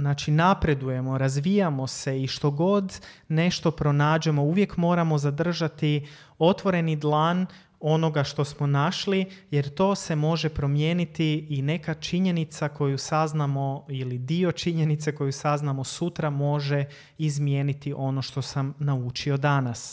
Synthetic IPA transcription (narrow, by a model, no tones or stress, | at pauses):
znaːt͡ʃinapɾe̞d̪uje̞mo̞ɾazʋijamo̞se̞iʃt̪o̞ɡo̞d̪ne̞ʃt̪o̞pɾo̞naːd͡ʒemo̞uʋje̞kmo̞ːɾamo̞zad̪r̩ʒat̪i | o̞t̪ʋo̞ɾe̞nid̪lˠaːn | o̞no̞ɡaʃt̪o̞smo̞naʃlije̞ɾt̪o̞ːse̞mo̞ʒe̞pɾo̞mje̞ːnit̪iːne̞kat͡ʃiɲe̞nit̪sako̞jusaznamo̞ilid̪io̞t͡ʃiɲe̞nit̪se̞ko̞jusaznamo̞sut̪ɾamo̞ʒe̞ | izmje̞ːnit̪iʔo̞no̞ʃt̪o̞samnaut͡ʃio̞d̪anas